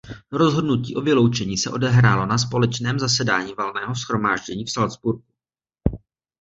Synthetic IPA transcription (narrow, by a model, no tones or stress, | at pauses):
ɾo̞zɦo̞dnuciːʔo̞vɪlo̞wt͡ʃɛɲiːsɛʔo̞dɛɦɾaːlo̞nas̬po̞lɛt͡ʃnɛːmzasɛdaːɲiːvalnɛːɦo̞sxɾo̞maːʒɟɛɲiːfsalzbuɾk̚u̥